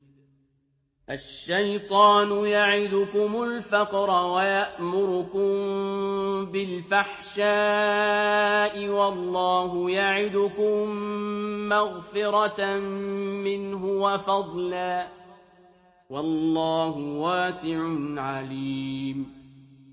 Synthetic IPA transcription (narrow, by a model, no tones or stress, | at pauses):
ʔaʃːajt̪ˤɑːnʊjaʕɪd̪ʊkʊmʊlfaqɾˤɑwajaʔmʊɾʊkʊm | bɪlfaħʃaː | ʔɪwɑlˤːɑːɦʊjaʕɪd̪ʊkʊmː | aɣfɪɾɑ | mɪnɦʊwafɑd̪ˤlaː | wɑlːɑːɦʊwaːsɪʕʊnʕaliːm